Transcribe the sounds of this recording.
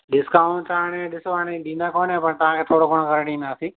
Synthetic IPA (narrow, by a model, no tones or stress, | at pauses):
ɗɪskaːʊ̃ɳtəanẽːɗɪsʋaːneɗĩːnd̪aːkoːnɦẽːpɐɾt̪ɐʋãkʰeːt̪ʰoːɽoːkoːɽ̃kəɾeɗĩːnd̪aːsĩː